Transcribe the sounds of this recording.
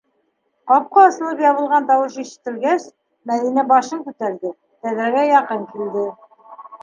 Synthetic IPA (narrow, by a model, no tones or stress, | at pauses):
qɑp̚qɑ̆ːsɤ̆lˠɤpjɑβɤ̆lˠʁɑnt̪ɑwɤʃiʃɘ̥̆t̪ːɘ̆lɡæs | mæðinæbɑʃɤŋkʉt̪æɾðɘ | t̪æðɾæɡæjɑqɤŋkild̪ɘ